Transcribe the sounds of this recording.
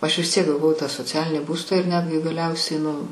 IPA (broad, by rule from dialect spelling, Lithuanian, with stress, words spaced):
ˈɐʃ ʋʲɪs ˈtʲiɛk ɡɐˈʋɐʊ tɑː soːˈt͡sʲæːlʲɪnʲiː ˈbuːstɑː ɪr ˈnʲæːdʲɡʲɪ ɡɐˈlʲɛʊsʲɛɪ nʊ